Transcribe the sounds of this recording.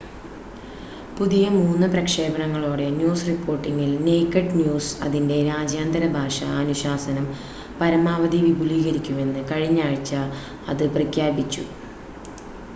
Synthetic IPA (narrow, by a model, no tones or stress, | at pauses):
puðijɐmuːnːɨprɐkʂe̞ːbɐɳɐŋːɐɭoːɽe̞njuːsripːo̞ːrʈːiŋːilne̞jkːɐɖnjuːsɐ̰ðinde̞ɾaːd͡ʑjaːnd̪ɐɾɐbʱaːʂɐːnuɕaːsɐnɐm | pɐɾɐmaːʋɐðiʋibʱuliːɣɐɾikʲːume̞nːɨkɐɻiɲːaːɻit͡ɕːɐ | ɐ̰ðɨprɐkʰjaːbit͡ɕːṵ